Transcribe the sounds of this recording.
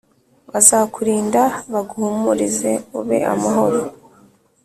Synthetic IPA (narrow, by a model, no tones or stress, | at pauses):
βazakuɾiːndaβaɡuhumuɾize̞uβe̞̰ʔa̰maɦo̞ɾo